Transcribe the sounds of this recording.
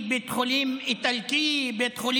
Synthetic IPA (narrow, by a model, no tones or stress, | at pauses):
bet̪χʊlimɪt̪alkibet̪χʊl